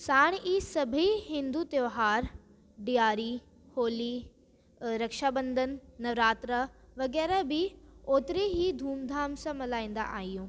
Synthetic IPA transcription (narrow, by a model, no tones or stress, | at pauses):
saːɽ̃iːsɐbʱihɪ̃nd̪uːt̪joʋɦaːɾ | ɖijaːɾi | hoːli | ɾɐkʃabɐ̃nd̪ʱənɪ̆ːɐʋɾaːt̪ɾəʋɐɣɛːɾabɪoːt̪ɪɾeɦid̪ʱuːmd̪ʱaːmsãmɐlaːĩːnd̪a̰ʔaːɦijũː